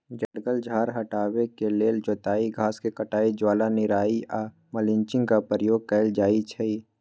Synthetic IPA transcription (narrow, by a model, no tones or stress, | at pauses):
d͡ʒɛɽɡəld͡ʒʱaːɾɦəʈaːwekeleːld͡ʒoːt̪aːiɡʱaːskekəʈaːid͡ʒwaːlanɪɾaːia | məlɪ̃ɲt͡ʃɪ̃ŋɡkapəɾəjoːɡ̚kɛɪld͡ʒaːit͡ʃʰɛi